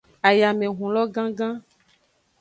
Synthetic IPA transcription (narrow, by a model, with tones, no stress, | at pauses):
a˨ja˨mẽ˨ɦũ˨lɔ˦ɡã˦ɡã˦